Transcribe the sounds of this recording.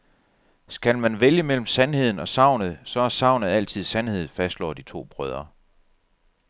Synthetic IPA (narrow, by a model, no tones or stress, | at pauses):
sɡ̥ælmænʋeljəmel̰m̩sænhe̝ð̞̰ˠn̩ɒ̽sɑ̈ʊnð̩ˠsɒ̽æɐsɑ̈ʊ̰nəð̩ˠæl̰t͡sʰið̞̰ˠsænhe̝ð̰̩ˠfæsd̥lɒ̰ːd̥it͡sʰo̝̰ːb̥ʁœð̞ˠɐ